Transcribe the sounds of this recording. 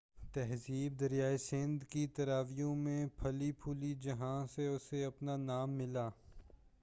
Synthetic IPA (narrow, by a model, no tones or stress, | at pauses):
t̪ɛɦziːb̚d̪ɐɾjaːesɪ̃nd̪kit̪ɐɾaːʋijõmẽpʰɐlipʰuːlid͡ʒɐɦãseʊseɐpnanaːmːɪlaː